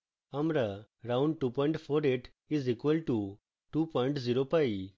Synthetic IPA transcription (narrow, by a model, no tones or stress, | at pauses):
ɐmɾəɾãʊ̃ɳɖ̚ʈupɔ̃ɪ̃ɳʈfʰoːɾeʈ | izikwəlʈu | ʈupɔ̃ɪ̃ɳʈziɾopai